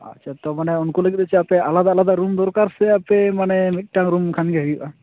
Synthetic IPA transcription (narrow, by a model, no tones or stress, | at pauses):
a̰t͡ʃʰat̪ɔmanɛunkuləɡit̪̚ˀət͡ʃʰɛapɛʔalad̪aːlad̪aɾumd̪ɔɾkaɾsɛapɛmanɛmit̪̚ˀʈaŋɾumkʰanɡɛɦəjuʔa